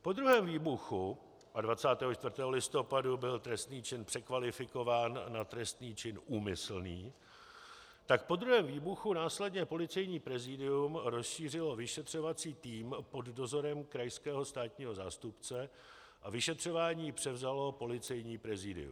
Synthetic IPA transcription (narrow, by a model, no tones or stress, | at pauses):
po̞d̪ɾuɦɛːmviːbuxu | ʔadvat͡saːt̪ɛːɦot͡ʃt̪vr̩t̪ɛːɦolɪst̪o̞padubɪlt̪ɾɛst̪niːt͡ʃɪnpr̥ɛkvalɪfɪko̞vaːnːat̪ɾɛst̪niːt͡ʃɪnuːmɪsl̩niː | t̪ak̚po̞d̪ɾuɦɛːmviːbuxunaːslɛdɲɛpo̞lɪt͡sɛjɲiːpɾɛzɪdɪumɾo̞sʃiːr̝ɪlo̞vɪʃɛt̪r̝̥o̞vat͡siːt̪iːmpo̞ddo̞zo̞ɾɛmkɾajskɛːɦo̞st̪aːt̪ɲiːɦo̞zaːst̪upt͡sɛ | ʔavɪʃɛt̪r̝̥o̞vaːɲiːpr̥ɛvzalo̞po̞lɪt͡sɛjɲiːpɾɛzɪdɪ̰ṵm